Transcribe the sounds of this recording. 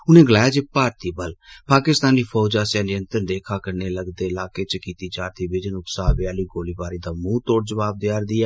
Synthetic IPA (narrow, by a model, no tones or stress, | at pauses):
ʊnẽːɡəlaːjaːd͡ʒeːpaːɾt̪iːbəlpaːkɪst̪aːniːpʰɔːd͡ʒaːsɪjãːniənt̪əɾd̪eːkʰaːkəneːləɡd̪eːɪlaːkeːt͡ʃkiːt̪iːt͡ʃaːɾt̪ʰiːbɪd͡ʒənʊpsaːbjaːliːɡoːliːbaːɾiːd̪aːmũːt̪oːɽd͡ʒəʋaːb̚d̪ɪjaːɾd̪iːɛː